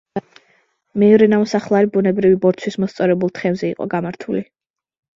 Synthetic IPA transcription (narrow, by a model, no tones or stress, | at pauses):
mɛːvɾɛnamɔsaχlˠaɾibunɛbɾivibɔɾtt͡ʃ̪ʰwismɔst̪sʼɔɾɛbulˠt̪ʰχɛmzɛiqʼɔ̰ɡamaɾt̪ʰuli